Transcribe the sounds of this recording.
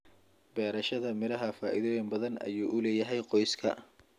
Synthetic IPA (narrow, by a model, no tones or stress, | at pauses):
bɛːɾɐʃɐðɐmɪɾɐɦɐfaːʔiðɔjɛnbɐðɐnɐ̰juːʔʊlɛːjɐɦɛjqɔjskʰɐ̰